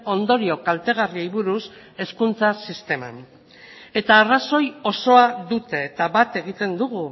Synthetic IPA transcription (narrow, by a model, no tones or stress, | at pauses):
o̞nd̪o̞ɾio̞kalt̪e̞ɣ̞ariejβuɾus | e̞skunt͡sasist̪e̞ma̰n | e̞t̪aːraso̞jo̞so̞aðut̪e̞ːt̪aβat̪e̞ɣ̞it̪e̞nd̪uɣ̞u